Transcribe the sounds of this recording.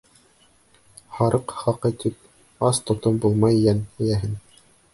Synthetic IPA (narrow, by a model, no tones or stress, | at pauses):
hɑɾɤqχɑqɤt̪ʰip̚ | ɑst̪ŏt̪ombulˠmɑjːænæjæɦɘn